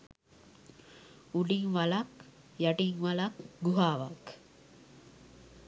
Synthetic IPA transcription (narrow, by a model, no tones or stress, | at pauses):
uɖiŋʋalɐk | jaʈiŋʋalɐkɡuɦaːʋak